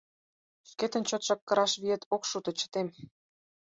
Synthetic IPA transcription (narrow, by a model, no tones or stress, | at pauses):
ʃket̪ə̆nt͡ɕot̪ʃɑkːə̆ɾɑʃβiet̪okʃut̪ɤ̆t͡ɕə̥t̪em